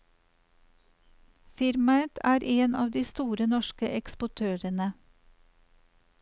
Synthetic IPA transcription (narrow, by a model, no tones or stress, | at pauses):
fɪɾmɑət̪ʰæːɾʔeːnɑ̰ːʋd̪iːst̪uːɾənɔʃkəʔɛkspʊʈʰøːɾənə